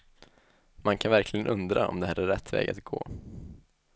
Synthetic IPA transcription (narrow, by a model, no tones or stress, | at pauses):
mankʰanvæɾkʰlɪɡənʔɵnd̪ɾaɔ̰md̪ɛhæːɾæːɛt̪ːvɛ̰ːɡa̰t̪ɡo̰ː